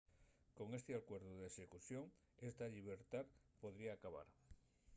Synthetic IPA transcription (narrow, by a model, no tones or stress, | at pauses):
ko̞ŋe̞st̪eakwe̞ɾðuðesekuθjoŋ | e̞st̪aʎiβ̞e̞ɾt̪aðpo̞ðɾiaːkaβ̞a̰ɾ